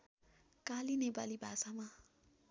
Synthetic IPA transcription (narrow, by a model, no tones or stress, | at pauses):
kalinebaliba̰ːsamã